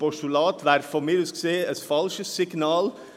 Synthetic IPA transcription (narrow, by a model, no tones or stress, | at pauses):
bɔʂʉlɑːt̪ʋæɾfɔmid̪ʉskseːɛt̪fɑlʃəsɪɡnɑːl